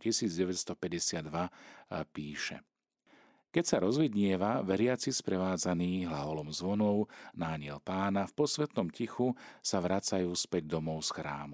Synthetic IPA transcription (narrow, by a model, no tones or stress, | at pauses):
cisiːd͡zɟɛʋɛtst̪ɔpɛɟɛsɪad̪ːʋapiːʃɛ̰ | kɛcsaɾɔzʋid̪ɲɪɛʋaʋɛɾɪat͡sispɾɛʋaːd͡zaniːɦlaɦɔlɔmzʋɔnɔʊnaːɲɪɛlpaːnafpɔsʋɛt̪nɔmcixusaʋɾat͡sajuːspɛɟ̚d̪ɔmɔʊsxɾa̰ːmu